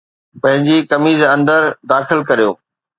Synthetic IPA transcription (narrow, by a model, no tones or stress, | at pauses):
pɐ̃ɦɪ̃ɲd͡ʑikɐmiːzɐ̃nd̪əɾd̪aːxɪlkɐɾijo̰ː